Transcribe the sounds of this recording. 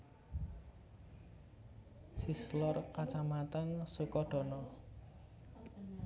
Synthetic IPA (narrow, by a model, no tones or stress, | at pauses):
sislɔrkat͡ʃamat̪ənsukɔɖ̥ɔ̤nɔ